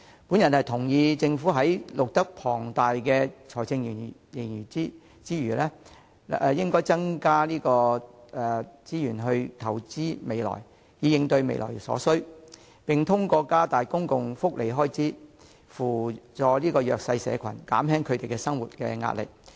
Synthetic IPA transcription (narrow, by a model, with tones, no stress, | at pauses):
puː˨˥njɐ˨˩nhɐ˨jt̪ʰʊ˨˩ŋjiː˨˧t͡sɪ˧ŋfu˨˥ɦɐ˨˥jlʊ˨k̚t̪ɐ˥k̚pʰɔː˨˩ŋt̪aː˨jkɛː˧t͡sʰɔː˨˩jt͡sɪ˧ŋji˨˩ŋ˨˩jɪ˨˩ŋjyː˨˩t͡si˥ | t͡siː˥ɥyː˨˩lɛː˥ | ɛ˨˧jɪ˥ŋkɔː˥jt͡sɐ˥ŋkaː˥liː˥kɔː˧ɛː˨˩t͡siː˥jyː˨˩nɦɵ˧ɥt̪ʰɐ˨˩wt͡siː˥me˨˧jlɔ̰ː˨˩j | jiː˨˧jɪ˨˧ŋt̪ɵ˧ɥmḛ˨˧jlɔ̰ː˨˩jsɔ̰ː˨˥sɵ˥ɥ | pɪ˨˩ŋt̪ʰʊ˥ŋkɔː˧kaː˥t̪aː˨jkʊ˥ŋkʊ˨ŋfʊ˥k̚lʔe˨˩jɦɔː˥jt͡siː˥ | fuː˨˩t͡sɔː˨˧liː˥kɔː˧jœː˨k̚sɐ˧jsɛ̰ː˨˧kʰɐ˨˩nka̰ː˨˥mɦɛː˥ŋkʰɵ˨˧t̪e˨jkɛ˧sɐ˥ŋwuː˨t̚kɛ̰ː˧ŋa̰ː˧t̚lɪ̰˨˩k̚